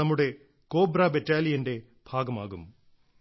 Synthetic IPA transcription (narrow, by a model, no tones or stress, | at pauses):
ɐmːɯɽe | koːbɾaːbeʈːaːlijɐnɖe | b̥ʱaːɣɐma̰ːɣɯ̰m